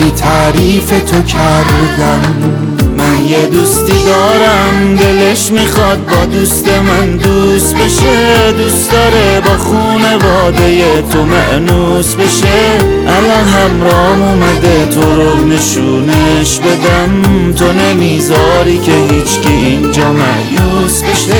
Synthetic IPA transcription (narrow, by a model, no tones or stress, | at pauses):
it̪ʰæɾiːfe̞t̪ʰo̞cʰæɾd̪æmː | ænjed̪uːst̪iːd̪ɒːɾæmd̪e̞le̞ʃmixɒd̪̚bɒːd̪uːst̪e̞mænd̪uːst̪be̞ʃed̪uːsd̪ɒːɾe̞bɒːχuːne̞vɒːd̪e̞jet̪ʰo̞mæʔnu | sbe̞ʃe | ʔælɒnɦæmɾɒːmumæd̪e̞t̪ʰoɾone̞ʃu | neʃbe̞d̪æmt̪ʰo̞nemizɒːɾiːkʲʰeɦiːt͡ʃʰcʲiʔind͡ʒɒːmæʔjuːsbeʃe